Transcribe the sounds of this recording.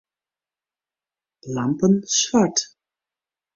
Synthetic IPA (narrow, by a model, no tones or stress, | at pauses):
lɑmpənsʋɑɹt